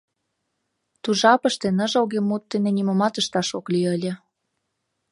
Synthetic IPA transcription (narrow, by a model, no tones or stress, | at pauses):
t̪uʒɑpə̆ʃt̪enə̆ʒoɣemːut̪ːenenʲimomɑt̪əʃt̪ɑʃoklyjəlʲĕ